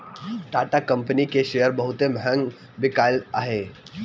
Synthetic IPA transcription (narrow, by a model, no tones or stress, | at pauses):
ɖaːʈakɐ̃mpənikeʃeːjəɾbɐɦʊt̪ẽbʱɛ̃ŋɡ | bɪkaːlaɦeː